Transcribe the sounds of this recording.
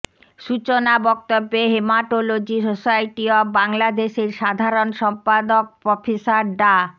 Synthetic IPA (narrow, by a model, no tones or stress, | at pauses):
ʃut͡ɕonabɔk̚t̪obːeɦemaʈolod͡ʑisosajʈiɔbaŋlad̪eʃeɾʃad̪ʱaɾonʃɔmpad̪ok̚pɔfʰisaɾɖa